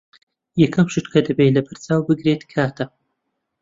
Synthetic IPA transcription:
jɛkʰɐmʃɨt̪kʰɐd̪ɐbelɐbɐɾt͡saːwbɨɡɾet̪kʰaːt̪ʰɐ

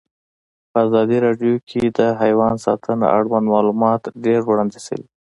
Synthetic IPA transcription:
pəazɑd̪iɾɑɖjokʰed̪əɦajwɑnsɑ̰t̪ʰəna̰ʔa̰ɽwand̪mɑlumɑt̪ɖeɾwɽɑnd̪isə̰wi

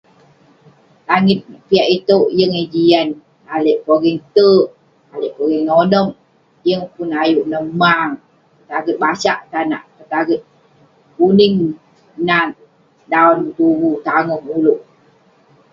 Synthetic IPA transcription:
laŋɪt̪̚piaʔit̪oʔjəŋed͡ʒian | aləʔpoɡiŋt̪əʔ | aləʔpoɡiŋnonəm | jəŋpunajuʔnəma | kət̪aɡət̪̚basaʔt̪ana̰ʔkət̪aɡət̪̚ | unɪŋ | nat | daɔnt̪uwut̪aŋɔŋuluʔ

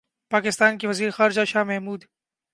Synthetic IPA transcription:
paːkɪst̪aːnkeʋɐziːɾexaːɾɪd͡ʒaʃaːmɛɦmuːd̪

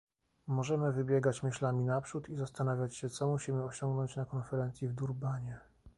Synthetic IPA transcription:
mɔʐɛmɘvɘbʲjɛɡat͡ɕmɘɕlamʲinapʂut̪izast̪anavʲjat͡ɕɕɛt̪sɔmuɕimɘɔɕɔŋɡnɔɲt͡ɕnakɔnfɛɾɛnt̪sʲjivd̪uɾbaɲɛ

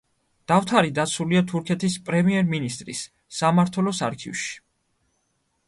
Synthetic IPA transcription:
d̪̥aft̪ʰaɾid̪at̪sʰuliat̪ʰuɾkʰɛt̪ʰispʼɾɛmiɛɾminist̪ʼɾḭsː | amaɾt̪ʰwɛlɔsa̰ɾkʰḭvʃi̥

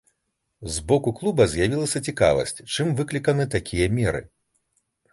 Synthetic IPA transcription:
zbɔkuklˠubɐzʲjavʲilˠɐsʲɐt͡sʲika̰vɐ̰sʲt͡sʲt͡ʂɨmvɨklʲikɐnɨt̪akʲʰijɐmʲɛɾɨ̰

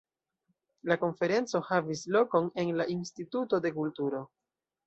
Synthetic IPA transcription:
lako̞nfe̞ɾe̞nt͡so̞havislo̞ko̞ne̞nlaʔinstituto̞de̞kultuɾo̞

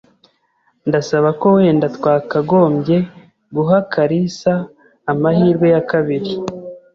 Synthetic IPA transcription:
ndasaβako̞we̞ndatwaːkaɡo̞ːmɟe̞ | ɡuɦakaɾisaː | mahiːɾɡwe̞jakaβiɾi

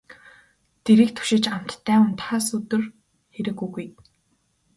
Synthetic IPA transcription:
t̪eɾiːk̚t̪ʰu̥ʃɪ̆t͡ɕam̥t̪ʰːæːʊnt̪χaːsut̪ɘ̆r | xeɾɘ̆kːujɣuj

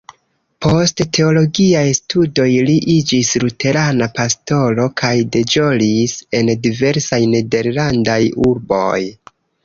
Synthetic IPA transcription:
pʰo̞sttʰe̞o̞lo̞ɡiajstudo̞jliʔid͡ʒislute̞ɾanapasto̞lo̞kʰajde̞d͡ʒo̞lise̞ndive̞ɾsajne̞de̞ɾlandajuɾbo̞̰j

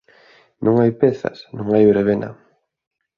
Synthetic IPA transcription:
nʔõŋajpeθɐ̰snõŋajβɾeβ̞ena̰

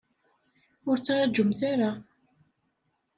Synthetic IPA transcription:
ʊɾt͡sːaɾad͡ʒʊmθaɾa

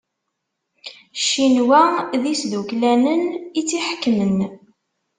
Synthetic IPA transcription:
ʃːinwæðisðuklænənit͡sːiħkːmən

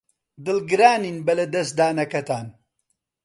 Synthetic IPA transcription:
d̪ɨlɡɨɾaːniːnbɐlɐd̪ɐsd̪aːnɐkɐt̪aːn

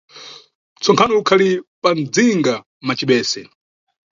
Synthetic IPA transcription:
t͡sɔŋkʰanɔukʰalipan̩d͡ziŋɡa | mat͡ʃiɓɛːsɛ

